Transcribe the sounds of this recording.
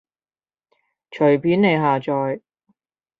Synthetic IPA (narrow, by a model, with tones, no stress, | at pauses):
t͡ʃʰɵ˨˩ɥpʰiː˨˥nne˨˧jɦaː˨t͡ʃɔː˨j